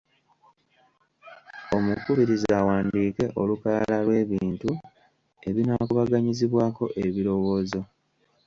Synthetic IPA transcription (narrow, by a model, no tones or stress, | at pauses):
o̞mukuβiɾizawaːndiːke̞ʔo̞lukaalalwe̞ːβiːntu | e̞βinakuβaɡaɲiziβwaːko̞ʔeβiɾo̞wo̞ːzo̞